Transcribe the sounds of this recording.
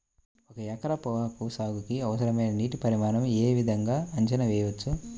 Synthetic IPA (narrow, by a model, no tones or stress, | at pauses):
ɔkɐjɐkɐɾɐpɔːɦaːkusaːɡukiɐʋɐsɐɾɐmɐjnɐniːʈipɐɾimaːnɐmeːʋid̪ʱɐŋɡaːɐɲt͡ʃɐnɐʋɛːjɐʋɐt͡ʃːu